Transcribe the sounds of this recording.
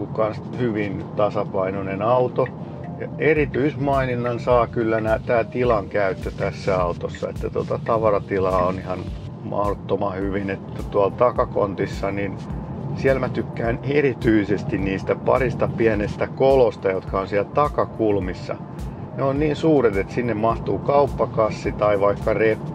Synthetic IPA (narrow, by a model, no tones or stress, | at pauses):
kukkɑnshyʋint̪ɑsɑpɑinonenɑut̪o | jɑ̰erit̪yismɑininːɑnsɑːkylːænæt̪æːt̪ilɑŋkæyt̪ːøt̪æsːæɑut̪osːɑ̰ḛt̪ːæt̪o̰t̪ɑt̪ɑʋɑrɑt̪ilɑːonihɑn | mʔɑ̰hot̪ːomɑhyʋinet̪ːæt̪uɑlt̪ɑkɑko̰nt̪isːɑninsiælmæt̪ykːæːnerit̪yisest̪inniːst̪æpɑ̰rist̪ɑpiænest̪ækolost̪ɑjot̪kʰɑonsiælt̪ɑkɑkulmisːɑ̰ | neonniːnsuːret̪et̪sinːemmɑht̪uːkɑupːɑkɑsːit̪ɑiʋɑikːɑrepː